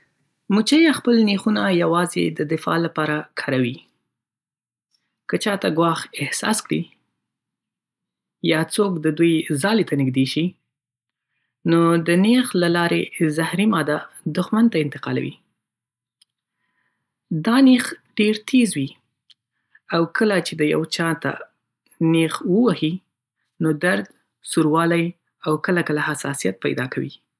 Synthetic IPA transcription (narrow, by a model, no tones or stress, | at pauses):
mut͡ʃajaxpəlnexunajawɑzḛd̪əd̪ɪfɑ̰lapɑɾakʰɑɾawi | kət͡ʃɑt̪aɡwɑxɪhsɑ̰skɽḭ | jɑt͡sokd̪əd̪ujzɑlet̪anɪɡd̪eʃi | nod̪ənexlalɑɾezahɾimɑd̪a | d̪ʊxmant̪aɪnt̪ɪ̥qɑ̰la̰wḭ | d̪ɑnexɖeɾt̪ʰezwi | awkʰəlat͡ʃed̪əja̰wt͡ʃɑt̪a̰ | nexwəwahi | nod̪aɾd̪ | suɾwɑlaj | awkəlakəlahasɑ̰sijat̪̚pa̰jd̪ɑkawḭ